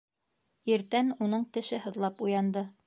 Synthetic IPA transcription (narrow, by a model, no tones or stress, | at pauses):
iɾt̪ænunɤɴt̪ɘ̆ʃɘɦɤ̆ðlˠɑpujɑnd̪ɤ